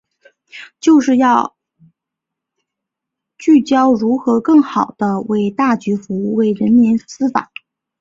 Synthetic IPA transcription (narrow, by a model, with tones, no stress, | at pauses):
t͡ɕjo˥˧ʊʂɻ̩˥˧jɑ˥˧ʊ | t͡ɕy˥˩t͡ɕjɑ˥ʊɻu˧˥xɤ˧˥kɤ˥˩ŋxɑ˨˩ʊd̪̥ə˦we˥˧ɪt̪a˥˩t͡ɕy˧˥fu˧˥u˥˧we˥˩ɪɻə˧˥nmi˧˥nsɹ̩˥fa̰˨˩˦